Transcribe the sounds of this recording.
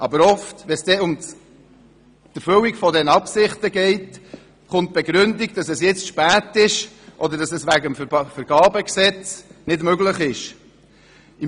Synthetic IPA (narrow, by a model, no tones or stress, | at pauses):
ʔɑbəɾɔftʋɛsd̥ɛʊm | d̥əɾføwikfɔdɛnɑpsɪχtəɡɛɪt | χʊnt̚b̥ɛɡɾʏndiɡd̥ɑsɛsjɛt͡stʃpæːtɪʃ | ʔɔd̪əɾdɑsɛsʋæɡəmfəɾɡ̥ɑːbəksɛt͡snɪdmøɡləχɪʃ | i